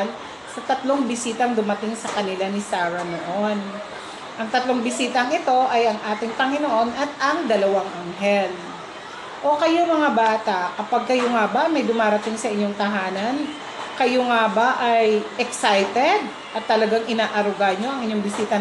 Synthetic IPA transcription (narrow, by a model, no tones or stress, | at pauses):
l | sɐt̪ɐt̪lo̞ŋbɪsiːt̪ɐŋd̪ʊmɐt̪ɪŋsɐkɐnɪlanɪsaːɾɐnoʔon | ʔɐŋt̪ɐt̪lo̞ŋbɪsiːt̪ɐŋɪt̪o̞ʔɐjʔɐŋʔaːt̪ɪŋpɐŋɪnoʔo̞nʔɐt̪̚ɐŋd̪ɐlɐwaŋʔɐŋɦɛl | ʔo̞kɐjomɐŋabaːt̪ɐʔkɐpaɡ̚kɐjoŋabamɐjd̪ʊmaːɾɐt̪ɪŋsɐʔɪɲːoŋt̪ɐɦaːnɐn | kɐjoŋabaʔajʔɛksajt̪ɛd̪̚ | ʔɐt̪ːɐlɐɡaŋʔɪnaːʔɐɾʊɡaɲo̞ɐŋɪɲo̞ŋbɪsiːt̪ɐ